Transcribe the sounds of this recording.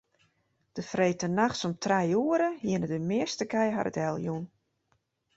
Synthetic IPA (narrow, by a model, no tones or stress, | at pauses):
d̥əfreːtənaxtsɔmtʰrɛjuəɾəhiənədəmɪəstəkɛjɦa̰ɾə̰tɛlˠjun